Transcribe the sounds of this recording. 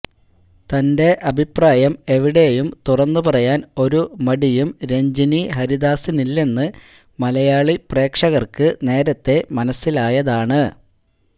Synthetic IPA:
t̪ɐnde̞ʔɐbʱipraːjɐme̞ʋiɽe̞jumt̪urɐnːupɐrɐjaːno̞ɾumɐɽijumɾe̞ɲd͡ʑiniɦɐɾiðaːsinilːe̞nːɨ | mɐlɐjaːɭipre̞ːkʂɐɣɐrkɨne̞ːɾɐt̪ːe̞mɐnɐsːilaːjɐðaːɳɨ

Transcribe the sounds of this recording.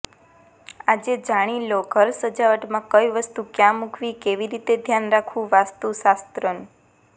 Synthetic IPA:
ad͡ʒed͡ʒaɽ̃iloɡʱəɾsəd͡ʒaʋəʈmãkəjʋəst̪ukjãmukʰʋikeʋiɾit̪ed̪ʱjanɾakʰʋũʋast̪usast̪ɾən

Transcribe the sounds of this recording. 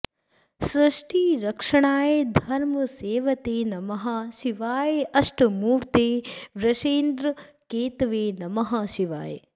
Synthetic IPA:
sɾɐʂʈiːɾɐkʂɐɳaːjed̪ʱɐɾmɐseːʋɐt̪eːnɐmɐɦaʃiʋaːjeɐʂʈɐmuːɾt̪eːʋɾɐʃeːnd̪ɾɐkeːt̪ʋeːnɐmɐɦaʃiʋa̰ːjḛ

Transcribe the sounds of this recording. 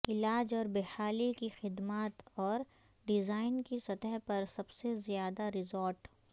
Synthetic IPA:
ɪlaːd͡ʒɔːɾbeːhaːlikixɪd̪maːt̪ɔːɾ | ɖɪzaːɪnkisɐt̪əɦpɐɾsɐbsezjaːd̪aɾɪzɔːɾʈ

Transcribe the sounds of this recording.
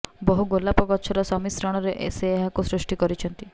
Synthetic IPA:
bɔɦuɡolːapɔkɔtːʃʰɔɾɔsɔmisɾɔɽ̃ɔɾeʔḛseːɦakusɾusʈikɔɾit͡ʃʰɔnt̪i

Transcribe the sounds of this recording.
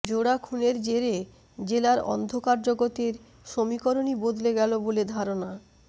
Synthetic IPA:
d͡ʑoɽakʰuneɾd͡ʑeɾe | d͡ʑelaɾɔ̰nd̪ʱokaɾd͡ʑoɡot̪iɾ | ʃomikoɾonibod̪leɡɛloboled̪ʱaɾona

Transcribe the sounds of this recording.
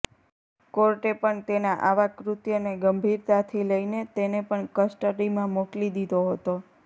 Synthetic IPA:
koɾʈepəɳt̪enaʔaʋakɾut̪jəneɡəmbʱiɾt̪at̪ʰiləinet̪enepəɳkəsʈəʈimãmoklid̪id̪oɦət̪o

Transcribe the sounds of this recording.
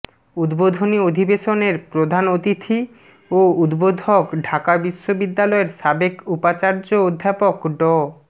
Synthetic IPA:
ud̪bod̪ʱoniod̪ʱibeʃoneɾpɾod̪ʱanot̪it̪ʰi | oud̪bod̪ʱokɖʱakabiʃːobid̪ːalɔeɾʃabekupat͡ɕaɾd͡ʑood̪ʱːapokɖɔ

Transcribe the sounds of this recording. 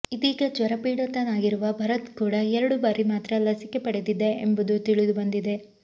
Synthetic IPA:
id̪iːɡɐd͡ʒʋɐɾɐpiːɽɐt̪ɐnaːɡiɾuʋɐbʱɐɾɐt̪kuːɽɐɛɾɐɽubaːɾimaːt̪ɾɐlɐsike̞pɐɽed̪id̪e̞ːmbud̪ut̪iɭid̪ubɐnd̪id̪e̞

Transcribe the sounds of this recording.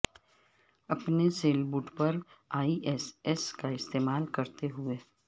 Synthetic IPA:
ɐpneseːlbuːʈpɐɾaːiʔɛsɛskaɪst̪eːmaːlkɐɾt̪eɦʊeː

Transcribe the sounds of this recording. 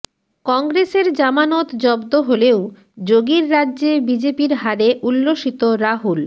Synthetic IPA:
kɔŋɡɾeseɾd͡ʑamanot̪d͡ʑɔbd̪oɦolew | d͡ʑoɡiɾːadːʑebid͡ʑepiɾɦaɾeʔulːoʃit̪oɾaɦul

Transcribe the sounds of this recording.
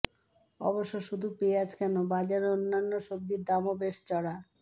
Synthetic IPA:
ɔ̰boʃːoʃud̪ʱupeeat͡ɕʰkɛnobad͡ʑaɾeonːanːoʃob̚d̪iɾd̪amobest͡ɕɔɽa

